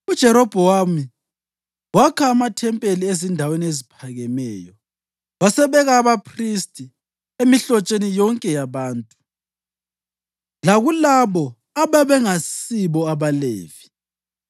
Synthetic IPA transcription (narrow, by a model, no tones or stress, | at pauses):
ud̥ʒ̥ʱɛɾɔb̥ʱɔwami | wakʰaːmatʰɛmpʼeliezindʱaweniezipʰaɣɛmɛːjɔ | wasɛβɛɣaːβapʰristʼi | emiɬɔt͡ʃʼenijɔŋkʼɛjaβaːntʼu | laɣulaβɔ | aβaβɛŋasiβɔaβalḛːv̥i